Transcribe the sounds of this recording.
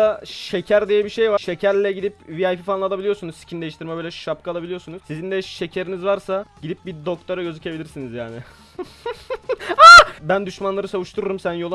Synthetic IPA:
aʃe̞cʰæɾd̪ijɛbiʃe̞jvaʃecʰæɾlʲɛɟid̪ipviajfifanlˠad̪ˠabilʲijosunuzsi̥cʰind̪eiʃt̪iɾmɛbøːlʲɛʃap̚kaːlˠabilʲijo̞ɾsunuz̥sizind̪ɛʃe̞cʰe̞ɾinizvaɾsaɟid̪ip̚bid̪o̞k̚t̪ʰaɾaɟø̞zycʰe̞bilʲiɾsinizjaːnɪ | abænd̪yʃmanlˠaɾɯsavuʃt̪ʰuɾuɾumsænjolˠ

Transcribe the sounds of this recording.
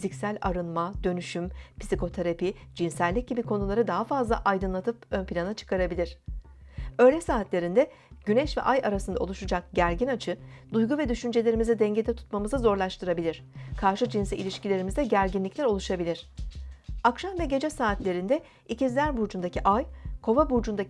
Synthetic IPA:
fizicsælʲaɾɯnmad̪̥ø̞nyʃympʰi̥sikʰo̞t̪ʰaɾapid͡ʒinsælʲːic̚ɟibikʰo̞nulˠaɾɯd̪aɦafazlˠaʔajd̪ɯnlˠat̪ʰɯpønpʰilʲanat͡ʃʰɯ̥kʰaɾabilʲiɾ̥ | ø̞ːlʲɛsaːt̪lʲe̞ɾind̪ɛ | ɟ̥ynɛʃvɛ̰ʔajaɾasɯnd̪ao̞lˠuʃud͡ʒak̚ɟæɾɟinat͡ʃʰɯd̪ujɡuvɛd̪yʃynd͡ʒe̞lʲe̞ɾimizɛd̪ɛɲɟe̞d̪ɛt̪ʰu̥t̪mamɯzɯzo̞ɾlˠaʃt̪ʰɯɾabilʲiɾ̥kʰaɾʃɯd͡ʒinsiḭlʲiʃcilʲe̞ɾimizd̪ɛɟæɾɟinlʲiclʲæɾo̞lˠuʃabilʲiɾ̝̥ | akʃamvɛɟe̞d͡ʒɛsaːt̪lʲe̞ɾind̪ɛ | icizlʲæɾbuɾd͡ʒund̪acʰiʔajkʰo̞vabuɾd͡ʒund̪a

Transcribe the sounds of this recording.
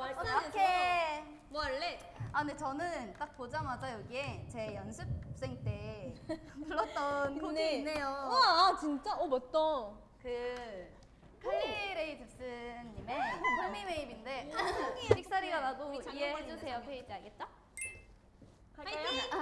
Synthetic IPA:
kʰe | mʌɭːe | anet͡ɕʌnɯnt͈ak̚pod͡ʑamad͡ʑajʌɡie̞t͡ɕe̞jʌnsʰɯp̚s͈e̞ŋt͈e̞ | muɭːʌtt͈ʌnkʰoneinːejoat͡ɕint͡ɕ͈aʌmʌt͈ʌ | kɯ | kʰɯŋiiɾeitɯp̚s͈ɯɲːimekʰɯmime̞ibinde̞ɯŋiɕik̚s͈aɾiɡanadoiehed͡ʑusʰe̞jokɯeit͈eaɭɡe̞t̚t͡ɕ͈a

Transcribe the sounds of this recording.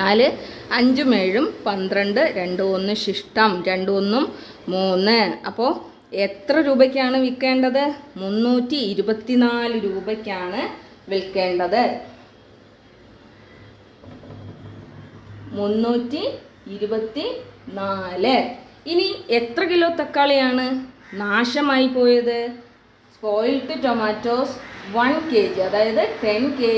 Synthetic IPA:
aːlɨɐɲd͡ʑumeːɻumpɐnd̪rɐɳɖɨɾe̞ɳɖɨo̞nːɨɕiʂʈɐmɾe̞ɳɖɨo̞nːumː | uːnːɨɐ̰pːo̞ː | e̞t̪rɐɾuːbɐkʲːaːɳɨʋikːe̞ːɳɖɐðɨmunːuːtːiːɾubɐt̪ːinaːlɨɾuːbɐkʲːaːɳɨʋilkːe̞ːɳɖɐðɨ | munːuːtːiiɾubɐt̪ːinaːlɨiniet̪rɐkilo̞ːt̪ːɐkːaːɭejaːɳɨnaːʂɐmaːjipːo̞ːjɐðɨ | sko̞ːjilʈːɨtomaːtːo̞ːsʋɐnkeːd͡ʑiɐðaːjɐðɨʈenkeː

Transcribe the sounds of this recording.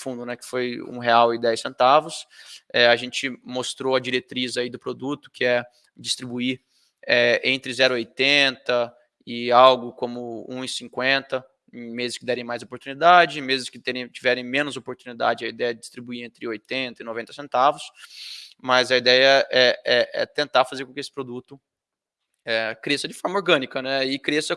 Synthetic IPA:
fũd̪ʊnɛkɪ̥fojṵ̃ɦeawɪ̃d̪ɛjsẽnt̪avʊsɛaʒẽt͡ʃɪmost̪ɾoɐd͡ʒiɾet̪ɾizaid̪ʊpɾod̪ut̪ʊ̥kɪɛ | d͡ʒist̪ɾibui | ɛẽnt̪ɾɪzɛɾʊɪojt̪ẽnt̪ɐ | ɪawɡʊkõmʊṵ̃ɪsĩŋkwẽnt̪ɐ̃ | mezɪskɪd̪ɛɾẽj̃majzopoɾt̪unid̪ad͡ʒɪ̃mezɪskɪt̪ẽɾẽj̃t͡ʃivɛɾẽj̃mẽnʊzopoɾt̪unid̪a̰d͡ʒɪɐid̪ɛjɐɛɪd͡ʒist̪ɾibuiɾẽnt̪ɾɪojt̪ẽnt̪ɐinovẽnt̪ɐsẽnt̪avʊs | mɐzɐid̪ɛjɐʔɛɛɛ̰t̪ẽnt̪afazeɾkõkɪesɪ̥pɾod̪ut̪ʊ | ɛkɾesɐd͡ʒɪfɔɾmɐoɾɡɐ̃nikɐnɛikɾesɐ

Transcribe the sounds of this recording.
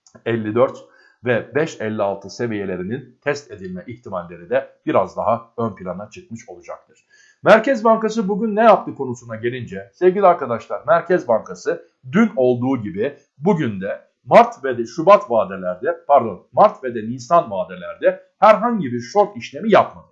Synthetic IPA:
ɛlʲːid̪øɾt̪ | vɛbɛʃɛlʲːialˠt̪ʰɯse̞vije̞lʲe̞ɾinint̪ʰɛst̪ʰe̞d̪ilʲmɛʔiçt̪ʰimalʲːe̞ɾid̪ɛb̥iɾazd̪aɦaø̞npʰilʲanat͡ʃʰɯkmɯʃo̞lˠud͡ʒa̰k̚t̪ʰɯɾ̥ | mæɾcɛzbaŋkasɯbuɟynːɛjaplˠɯkʰo̞nusunaɟe̞lʲind͡ʒɛse̞vɟʲilʲiaɾkad̪aʃlˠaɾmæɾcʰɛzbaŋkʰasɯ | d̪yno̞lˠd̪uːɟibi | buɟynd̪ɛ | maɾt̪ved̪ɛʃubat̪vaːd̪elʲæɾd̪ɛpʰaɾd̪o̞nmaɾt̪ved̪ɛniːsanvaːd̪elʲæɾd̪ɛ | hæɾɦaɲɟibiɾʃo̞ɾt̪iʃlʲe̞mijapmad̪ɯ

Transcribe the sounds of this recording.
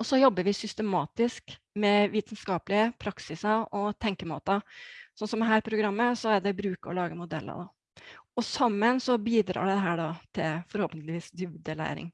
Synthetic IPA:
ɔsɔjɔbːəɾʋɪsʏst̪əmɑːt̪ɪsk | mɛʋiːt̪nskɑːplɪəpʰɾɑksɪsɑɔt̪ʰɛŋkəmoːt̪ɑsɔnsɔmɛɦæːɾpʰɾʊɡɾɑmːəsɔæɖ̪ɛbɾʉːkəɾɔ̰lɑːɡəmʊd̪ɛ̰lːə̰d̪ɑ̰ | ɔsɑmːənsɔbiːd̪ɾɑ̰ːɖɛd̪ɛɦæːɖɑt̪ʰɪlfɔɾhɔːpənt̪lɪʋiːsd̪ʉːd̪əlæ̰ɪɾɪ̰ŋ

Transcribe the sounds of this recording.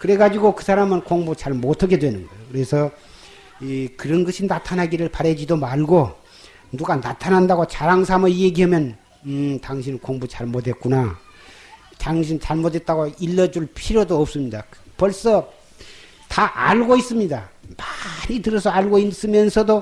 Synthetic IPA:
kɯɾe̞ɡad͡ʑiɡokɯsʰaɾamɯnkoŋbut͡ɕaɭmotʰʌkʰe̞dwe̞nɯnɡʌokɯɾe̞sʰʌ | ikɯɾʌnɡʌɕʰinatʰanɦaɡiɾɯɭpaɾed͡ʑidomaɭɡo | nuɡanatʰanɦandaɡot͡ɕaɾaŋs̬ʰamɯjeɡiɦamjʌn | taŋɕʰinikoŋbut͡ɕaɭmodwe̞t̚k͈una | taŋɕʰint͡ɕaɭmodwe̞t̚t͈aɡoilːʌd͡ʑuɭpʰiɾjodoʌp̚s͈ɯmɲidapʌɭs͈ʌ | taʔa̰ɭɡois͈ɯmɲidamaɲitɯɾʌsʰʌaɭɡois͈ɯmjʌnsʰʌdo

